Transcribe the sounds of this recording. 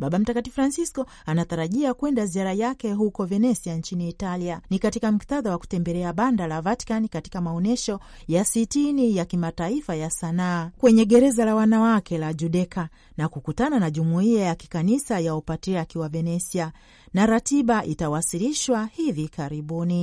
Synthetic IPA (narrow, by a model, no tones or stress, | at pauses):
ɓaɓam̩takatifɾansiskɔ | anataɾaʄiakwɛndaziaɾajakɛɦukɔvɛnɛsiant͡ʃiniːtalianikatikam̩kitaðawaku̥tɛmbɛlɛaɓandalavati̥kanikati̥kamaɔnɛʃɔ | jasitinijakimataifajasanaːkwɛɲɛɠɛɾɛzalawanawakʰɛlaʄuɗɛkʰa | nakukutananaʄumuiajaki̥kanisajaupatiakiwavɛnɛsia | naɾatiɓaʔitawasiliʃwahivikaɾiɓuni